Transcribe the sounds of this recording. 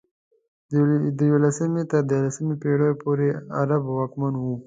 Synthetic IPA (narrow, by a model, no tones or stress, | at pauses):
d̪əjolasəmet̪ad̪əlasəmipeɽojpoɾeaɾabwakmanwu